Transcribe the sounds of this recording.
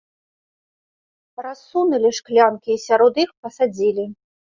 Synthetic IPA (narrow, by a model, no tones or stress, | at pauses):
ɾasunɐlʲiʂklʲankʲiːsʲaɾɔd̪ixpɐsad͡zʲilʲi